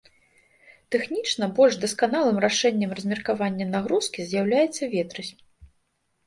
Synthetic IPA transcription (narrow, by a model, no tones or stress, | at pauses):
t̪ɛxnʲit͡ʂnɐbɔlʲʐd̪ɐskanalˠɨmraʂɛnʲːɐmrɐzʲmʲɛrkavanʲːɐnaɣɾuskʲizʲjawlʲajɛt̪sːɐvʲɛt̪ɾɨsʲ